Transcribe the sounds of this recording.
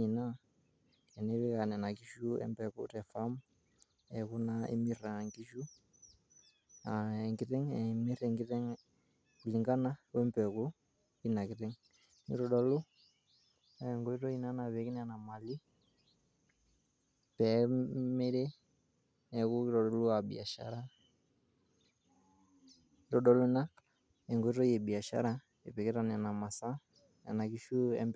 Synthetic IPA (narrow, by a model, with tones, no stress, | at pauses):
i˨na˦ | kɛ˨ne˦βɪ˦ka˨nɛ˨na˨ki˦ʃu˦ɛ̰˦mpɛ˨ku˦tɛ˨fa˦m | ɛ˨ku˦na˦ḛ˦mi˦ra˨ŋki˦ʃu˦ | a˨ɛ˨ŋkɪ˨tɛ˦ŋɛ˨mi˦rɛ˨ŋɡɪ˦tɛ˦ŋ | ku˨li˨ŋɡa˦na˦ku˦ɛ˦mpɛ˨ku˦ | i˦na˨kɪ˨tɛ˦ŋ | nḭ˦ɾɔ˨dɔ˨lʊ˦˨ | ŋɡo˨˦i˦tɔ˦i˦na˦na˨βe˨ki˦n˦a˨na˨ma˨li˦ | pɛ˨˦me˦ɾe˦ | ɛ˨ku˦ɾɔ˨dɔ˨lu˦a˨bḭ˨a˨ʃa̰˨ɾa˦ | ɾɔ˨ɗɔ˨lna˦ | ɛ˨ŋɡo˨˦tɔ˦je˨bi˨a˨ʃa̰˦ɾa˦ | ḛ˨pe˨kɛ˦ta˨n˨a˨na˨ma˨sa˦ | a̰˨na˨ki˦ʃu˦ɛ̰˦mb